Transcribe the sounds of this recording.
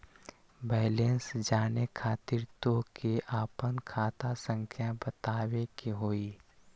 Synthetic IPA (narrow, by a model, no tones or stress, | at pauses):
bɛːleːnsd͡ʒaːnekʰaːt̪iːɾt̪okeʔaːpənkʰaːt̪asə̃ŋkʰjabət̪aːwekeɦoːiː